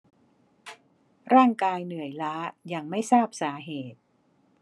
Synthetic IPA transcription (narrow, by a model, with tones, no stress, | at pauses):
ɾaː˥˩ŋkaː˧jnɯ˨˩˦əjlaː˦˥ja˧ŋma˥˩jsaː˥˩p̚saː˩˦ɦeː˨˩t̪̚